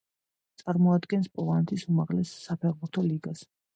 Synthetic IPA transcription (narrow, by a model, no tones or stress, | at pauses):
t̪sʼaɾmɔad̪ɡɛnspʼɔlˠanɛt̪ʰisumaʁlɛsːapʰɛʁbuɾt̪ʰɔliɡas